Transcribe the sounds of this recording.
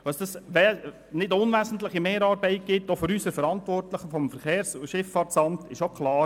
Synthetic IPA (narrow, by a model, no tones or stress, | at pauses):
ɑsd̥̪ɑsʋɛ | nɪdʊnʋæːsn̩t̪ləχimeːɾɑːɾbɛɪt̚ɡ̥ɪt̪ːofʏɾysəɾfəɾɑntʋɔrtləχəfɔmfəɾχeːɾsʃɪfːɑːt͡sɑmt̪ɪʃokχlɑː